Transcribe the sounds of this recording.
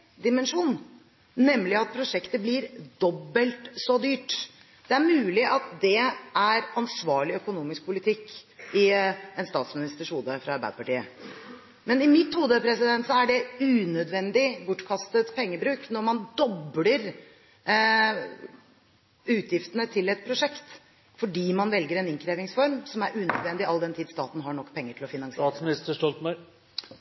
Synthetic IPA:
d̪ɪmɛnʂuːnː | ɛmːlɪɑt̪̚pʰɾʊʂɛkt̪əblɪɾd̪ɔbːəlt̪sɔd̪yːʈ | d̪̥ɛæɾmʉːlɪʔɑt̪d̪ɛæɾɑnsʋɑːɭɪœkʊnuːmɪsk̚pʰʊlɪt̪ʰɪkːɪɛnst̪ɑːt̪smɪnɪst̪əʂhuːd̪əfɾɑɑɾbæɪd̪əpɑʈiːə̰ | mɛnɪmɪt̪ːhuːd̪əpʰɾɛsɪd̪ɛnt̪sɔæɖɛʉːnœd̪ʋɛnd̪ɪbʊʈːkʰɑst̪ət̪pʰɛŋːəbɾʉːknɔɾmɑnd̪ɔbləɾ | ʉːt̪ʰjɪft̪ənət̪ʰɪlɛt̪̚pʰɾʊʂɛkt̪ | fɔɖiːmɑnʋɛlɡəɾɛnɪŋkʰɾeːʋɪŋsfɔɾmsɔmæɾʔʉːnœd̪ʋɛnd̪ɪɑld̪ɛnt̪ʰiːd̪st̪ɑːt̪n̩ɦɑɳɔkːpʰɛŋːəʈʰɪlɔfɪnɑnŋsɪsnɪst̪əʂɔlt̪m

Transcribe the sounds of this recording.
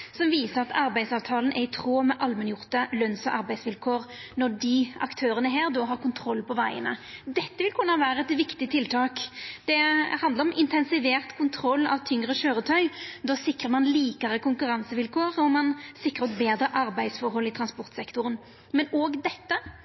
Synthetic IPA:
sɔmʋiːsəʁɑt̪ɑɾbæɪsɑːʋt̪ʰɑːlənʔæɪt̪ʰʁoːmɛʔɑlmənjʊʁt̪əlœnsɔʔɑɾbæɪsʋɪlkʰoːɾnɔd̪ɪɑ̰kt̪ʰøːɾənəɦæːʁd̪ɔːɦɑːʁkʊnt̪ʰɾɔlːpɔʋæɪə̰nə̰d̪ɛt̪ːəʋɪlkʰʉnːɑʋæːɾəɛt̪ʋɪkt̪ɪt̪ʰɪlt̪ʰɑːkd̪̥ɛhɑnd̪əɾɔmɪnt̪ʰɛnsɪʋeːʁt̪kʰʊnt̪ʰɾɔlːɑ̰ʋt̪ʰːʏŋʁəʃøːɾət̪ʰœʏd̪oːsɪkʁəmɑnliːkɑʁəkʊŋkʉɾɑnsəʋɪlkʰoːʁɔmɑnsɪkːɾʁəɔt̪beːd̪ɾəʔɑɾbæɪd̪sfɔɾɦɔlːɪt̪ʰɾɑnspɔʁt̪sɛkt̪ʊʁən | mɛnoːɡd̪ɛt̪ːə

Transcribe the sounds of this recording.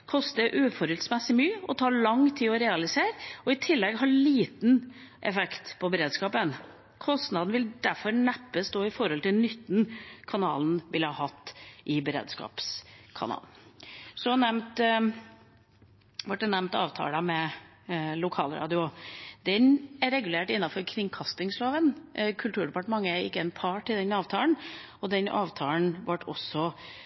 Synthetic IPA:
kʰɔst̪əɾʔʉːfɔɾɛlsmɛsːɪmyːəɔt̪ʰɑːɭɑŋt̪ʰiːɔɾɛːɑlɪseːɾɔɪt̪ʰɪlːɛɡɦɑːɭiːt̪n̩ʔɛ̰fɛkt̪pʰɔbəɾeːd̪skɑːpən | kʰɔst̪nɑd̪n̩ʋɪld̪æɾfɔɾɳæpːəst̪oːɪfɔɾɔlt̪ɪlnʏt̪ːn̩kʰɑnɑ̰ːln̩ʋɪlhɑhɑt̪ːʔɪbəɾḛːd̪skɑ̰ːpskʰɑ̰nɑ̰ːln̩sɔnɛmt̪ | ʋɑʈ̚ːɛnːɛmnt̪ɑ̰ːʋt̪ʰɑ̰ːlɑmɛ | lʊkʰɑ̰ːlɾɑ̰ːd̪ɪʊd̪̥ɛnæɾɛɡʉleːʈɪnːɑfɔɾkʰɾɪŋkʰɑst̪ɪŋsloːʋənkʰʉlt̪ʉːɖɛpɑʈəmɑŋːəæɾɪ̰kːəɛnpʰɑʈɪld̪ɛnɑːʋt̪ʰɑːln | ɔd̪ɛnʔɑ̰ːʋt̪ʰɑːln̩ʋɑʈʰːɔ̰sːɔ

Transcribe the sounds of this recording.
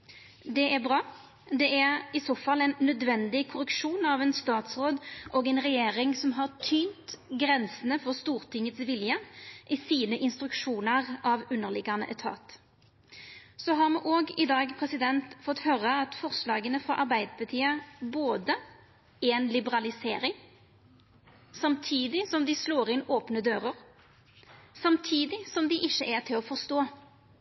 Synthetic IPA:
d̪ɛʔæʁbʁɑː | d̪ɛʔæʁɪsoːfɑlɛnːœd̪ʋɛnd̪ɪkʰʊɾəkʃuːnɑʋɛnst̪ɑːt̪sʁoːd̪ʔoːɡɛnʁɛjeːʁɪŋsɔmɦɑʁt̪ʰyːnt̪ɡɾɛnsənəfɔʁst̪uːʁt̪ʰɪŋːət̪sʋɪljəʔisiːnəʔɪnst̪ɾʉkʂuːnəʁɑʋʉnːəʁlɪɡɑnə̰ʔɛt̪ʰɑ̰ːt̪ | sɔɦɑʁmuːʔoːɡɪd̪ɑːɡpʰʁɛsɪd̪ɛnt̪fɔt̪ːhøːɾəɑt̪fɔʁslɑːɡənəfʁɑ̰ʔɑɾbæɪd̪əpʰɑt̪ʰiːɑboːd̪ə | æɛnlɪbəʁɑlɪseːɾɪŋ | sɑmt̪ʰiːd̪ɪsɔmd̪ɪsloːɾɪnoːpnəd̪øːɾəʁ | sɑmt̪ʰiːd̪ɪsɔmd̪ɪʔɪʃːəʔɛt̪ʰɪlɔːfɔʁst̪oː

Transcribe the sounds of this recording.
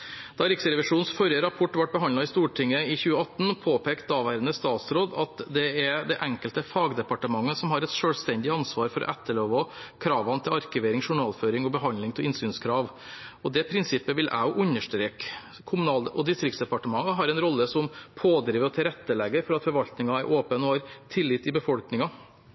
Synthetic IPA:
d̪̥ɑɾɪksəɾɛʋɪʂuːnsfɔɾjəɾɑpʰɔʈːʋɑʈ̚bəɦɑnlɑɪst̪uːʈʰɪŋːəɪçʉːəɑt̪ːn̩pʰoːpʰeːkt̪̚d̪ɑːʋæːɾənəst̪ɑːt̪sɾoːd̪ɑt̪d̪ɛɛd̪ɛʔɛŋkəlt̪əfɑːɡd̪ɛpɑʈəmɑŋːəsɔmhɑɾɛt̪ʂøːlst̪ɛnd̪ɪɑnsʋɑːɾfɔɾʔɔ̰ʔæt̪ːəloːʋɔkʰɾɑːʋɑnt̪ʰɪlɑɾkɪʋeːɾɪŋʂʊɳɑːlføːɾɪŋɔbəɦɑnlɪŋt̪ʰɪlɪnsyːnskʰɾɑːʋ | ɔd̪ɛpʰɾɪnsɪpːəʋɪlʔæ̰ɔʔʉɲəʂʈɾeːk | kʰʊmʉnɑːlʔɔd̪ɪst̪ɾɪkt̪sd̪ɛpɑʈəmɑŋːəɦɑɾɛnɾɔlːəsɔmpʰoːd̪ɾiːʋəɾɔt̪ʰɪlɾɛt̪ːəlɛɡːəɾfɔɾɑt̪fɔɾʋɑlt̪nɪŋɑæɾʔoːpənɔhɑɾt̪ʰɪlːɪt̪ːɪbəfɔlknɪŋɑ

